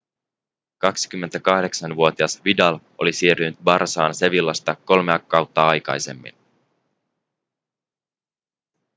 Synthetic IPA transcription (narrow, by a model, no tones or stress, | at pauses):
kɑksi̥k̟ymːe̞nt̪ækɑhde̞ksɑnʋuo̞t̪iɑsʋidɑl | o̞lisiːrynyt̪̚bɑrsɑːnse̞ʋilːɑst̪ɑko̞lmeɑkːɑwt̪ːɑɑjkɑ̰jse̞̰mːḭn